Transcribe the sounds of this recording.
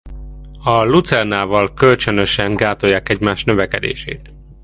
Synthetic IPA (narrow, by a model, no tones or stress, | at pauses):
ɒlut̪sɛrnaːvɒlkølt͡ʃønøʃɛŋɡaːt̪o̞jːaːkɛɟmaːʃt̪nøvɛkɛd̪ḛːʃḛːt̪